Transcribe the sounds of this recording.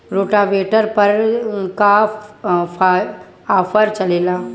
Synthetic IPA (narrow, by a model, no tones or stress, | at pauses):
ɾoːʈaʋeːʈəɾpɐɾka | pʰa | aːpʰəɾt͡ʃɐleːlaː